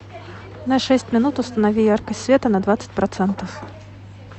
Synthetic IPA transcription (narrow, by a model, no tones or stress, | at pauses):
nɐʂɛsʲt͡sʲmʲinut̪ust̪ɐnavʲijarkɐsʲvʲɛt̪ɐnɐd̪vat̪sə̥t͡sʲpɾat̪sɛnt̪ɐf